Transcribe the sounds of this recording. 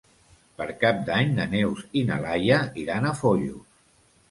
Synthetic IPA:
pəɾkap̚d̪aɲnənewzina̰lajəiɾanəfoʎṵ

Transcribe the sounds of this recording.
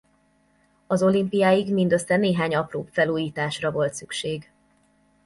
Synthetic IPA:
ɒzo̞limpijaːjiɡmind̪ø̞sːɛneːɦaːɲɒproːpfɛluːjiːt̪aːʃrɒvo̞lt̪sykʃeːɡ

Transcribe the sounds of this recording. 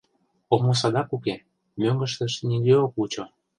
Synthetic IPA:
omos̬ɑd̪ɑkuke | møŋɡə̆ʃt̪ə̆ʃnʲiɡeokut͡ɕo

